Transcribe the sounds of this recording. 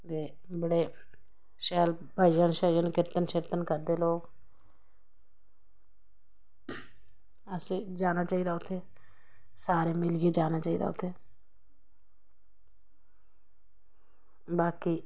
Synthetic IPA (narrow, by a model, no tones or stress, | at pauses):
d̪eː | bəɽeː | ʃɛːl | bʱəd͡ʒənʃəd͡ʒənkɪɾt̪ənʃɪɾt̪ənkəɾd̪eːloːɡ | əsiːd͡ʒaːnaːt͡ʃaːiːd̪aːʊt̪ʰːeː | saːɾeːmɪljeːd͡ʒaːnaːt͡ʃaːiːd̪a̰ʊt̪ʰːeː | baːki